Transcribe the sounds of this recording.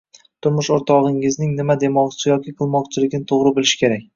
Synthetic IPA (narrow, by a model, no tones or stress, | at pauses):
t̪ʰʊɾmʊʃoɾt̪ʰɒʁɪŋɪznɪŋnɪmad̪e̞mɒqt͡ʃʰɪjɒkʲʰɪqʰɨlˠmɒqt͡ʃʰɪlɪɡʲnɪt̪ʰoʁɾɪbɪlˠɪʃkʲe̞ɾak̚ʲ